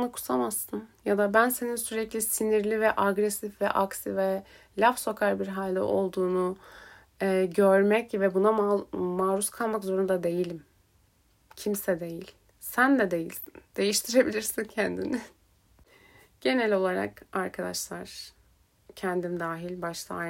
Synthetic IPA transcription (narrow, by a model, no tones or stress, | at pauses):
anakʰu̥samasːɯnjad̪abænse̞ninsyɾɛclʲisiniɾlʲivɛʔaɡɾɛsifvɛʔaksivɛ | lʲafso̞kʰaɾbiɾɦalʲd̪ɛ̰ʔo̞̰lˠd̪uːnu | ɛɟøɾmɛcvɛbunamaːɾuskʰalˠmakzo̞ɾund̪ad̪e̞jilʲim | cʰimsɛd̪e̞jilʲ | sænd̪ɛd̪e̞jḭlʲsind̪̥e̞jiʃt̪ʰiɾe̞bilʲiɾsincʰɛnd̪inɪ | ɟ̥e̞nɛlʲo̞lˠaɾa̰kaɾkʰad̪a̰ʃlˠaɾ̥ | cʰɛnd̪imd̪aːɦilʲbaʃt̪ʰˠa̰